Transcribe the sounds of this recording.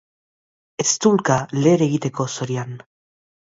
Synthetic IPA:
e̞st̪ulkaleːɾeɣit̪e̞ko̞so̞ɾian

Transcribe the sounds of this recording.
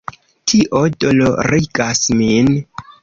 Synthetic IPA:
tʰiʔodoloɾiɡasmin

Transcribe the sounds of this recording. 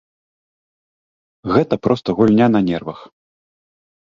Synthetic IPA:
ɣɛt̪ɐpɾɔst̪ɐɣulʲnʲanɐnʲɛrvɐx

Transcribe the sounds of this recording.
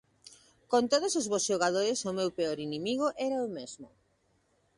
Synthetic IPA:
kont̪oð̞osozβosʃoɣ̞að̞oɾɪsomewpeoɾinimiɣ̞oʔɛɾaomezmʊ

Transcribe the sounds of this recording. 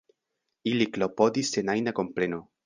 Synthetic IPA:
iliklo̞pod̪isːenajnako̞mpɾeno

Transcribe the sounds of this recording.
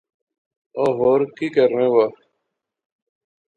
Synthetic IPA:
oːɦoːɾkiːkəɾːẽːwaː

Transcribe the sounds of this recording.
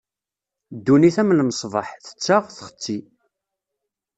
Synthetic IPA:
d̪ːuniθæmlməsˤvəħθə̥t͡sːaʁθχə̥t͡sːi

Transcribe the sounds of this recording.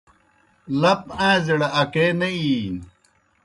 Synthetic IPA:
lɐpãːziɽaɐkeːnɐi

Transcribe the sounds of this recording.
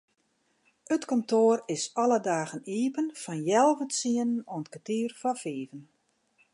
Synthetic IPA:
ətkɔntoːərɪsɔlədaːɣəniːpənfɔnjɛlˠvətsiənənɔnətkatiːrfɔfiːvən

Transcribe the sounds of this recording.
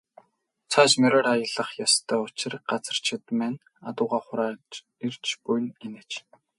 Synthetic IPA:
t͡sʰat͡ɕmœɾɔːɾajə̆ɮə̆χjast̪ʰœːʊt͡ɕɪ̆rɢ̥at͡sə̥̆r̥t͡ɕʰɪ̆t̪mæːn | a̰t̪ʊːʁaːχʊɾaː | ir̥t͡ɕpujnenĕt͡ɕ

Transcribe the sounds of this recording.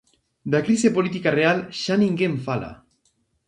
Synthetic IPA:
d̪akɾisepo̞lit̪ikare̞alʃaniŋɡeɱfala̰

